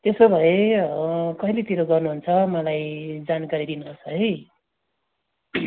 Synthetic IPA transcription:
t̪esobʱʌeʌkʌɦilet̪iɾoɡʌrnuɦunt͡sʰʌmʌlajd͡zankaɾid̪inuɾʌt͡sʰʌɦʌj

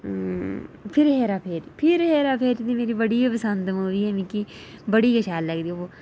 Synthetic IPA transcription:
pʰɪɾɦeːɾaːpʰeːɾpʰɪɾɦeːɾaːpʰeːɾd͡ʒd̪iːmeːɾiːbəɽiːpəsənd̪moːʋiːɛːmĩːkiːbəɽiːkəʃaːlːəɡd̪iːoː

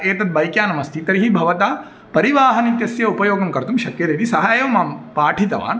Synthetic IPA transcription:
eːt̪ɐt̪̚bɐjkjaːnɐmɐst̪ʰit̪ɐɾiɦibʱɐʋɐt̪aː | pɐɾiʋaːɦɐnit̪jɐsjɐupɐjoːɡɐmkɐɾt̪umʃɐkjɐd̪eːt̪isɐɦaːjɐʋmaːmpaːʈʰit̪ɐ̰ʋa̰ːn

